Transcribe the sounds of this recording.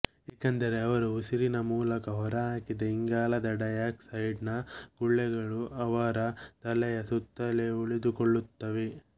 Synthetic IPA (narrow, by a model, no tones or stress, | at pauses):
ɛːkɐnd̪ɐɾe̞ɐʋɐɾuusiɾinɐmuːlɐkɐɦɔɾɐɦaːkid̪ɐiŋɡaːlɐd̪ɐɖɐjaːksɐjɖnɐɡ̥uɭːɛɡɐɭuɐʋaɾɐt̪ɐlɛjɐsut̪ːɐleuɭid̪ukoɭːut̪ːɐʋe